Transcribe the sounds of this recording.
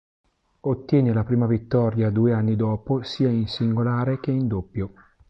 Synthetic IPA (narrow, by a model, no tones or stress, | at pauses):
ot̪ːjɛːnelapɾiːmavit̪ːɔɾjad̪uːeanːid̪ɔːposiːainsiŋɡolaːɾek̟eind̪opːjo